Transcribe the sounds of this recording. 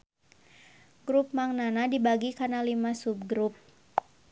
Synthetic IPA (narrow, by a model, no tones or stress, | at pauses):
ɡɾup̚maŋnanadibaɡikanalimasup̚ɡɾup̚